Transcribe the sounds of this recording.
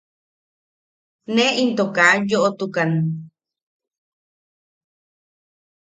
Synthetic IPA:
neʔint̪okajoʔot̪ukan

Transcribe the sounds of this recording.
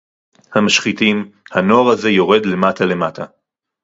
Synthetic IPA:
hamaʃχit̪imhano̞aʁhaze̞jo̞ʁe̞dle̞matʰale̞matʰa

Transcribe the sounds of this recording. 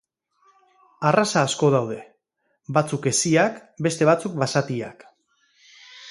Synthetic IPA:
arasaːsko̞ðawðe̞ | bat͡suke̞siakbe̞st̪e̞β̞at͡suk̚basat̪ia̰k

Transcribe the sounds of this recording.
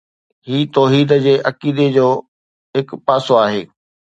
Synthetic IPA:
ɦiːt̪ɔːɦiːd̪d͡ʑeːʔɐkiːd̪ed͡ʑoː | ɦɪkpaːsoaːɦḛː

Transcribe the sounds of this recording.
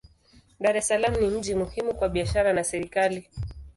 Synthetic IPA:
ɗaɾɛsalamnim̩d͡ʒimuhimukwaɓiaʃaɾanasɛɾikali

